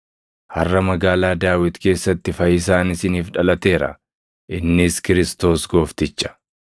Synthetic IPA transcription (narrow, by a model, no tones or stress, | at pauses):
hɐrːɐmɐɡaːlaːd̪aːwɪt̪ke̞ːsːɐt̪ːɪfɐjɪs̬aːnɪsɪniːfᶑɐlɐt̪e̞ːɾɐ̰ | ʔɪnːɪskɪɾɪst̪o̞ːsɡo̞ːft̪ɪt͡ʃːɐ̥